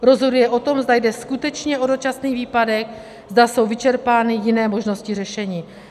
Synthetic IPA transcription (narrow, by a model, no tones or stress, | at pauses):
ɾo̞zɦo̞dujɛʔo̞t̪o̞mzdajdɛskut̪ɛt͡ʃɲɛʔo̞do̞t͡ʃasniːviːpadɛk̚ | zdaso̞wvɪt͡ʃɛɾpaːnɪjɪnɛːmo̞ʒno̞scɪr̝ɛʃɛɲiː